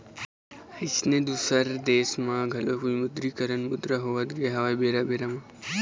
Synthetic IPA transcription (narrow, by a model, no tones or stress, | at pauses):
ɪt͡ʃned̪uːsəɾd̪eːsmãɡʱɐlokuimʊd̪ɾikəɾənmʊd̪ɾaɦoːʋət̪ɡɐɦɐʋajbeːɾabeːɾama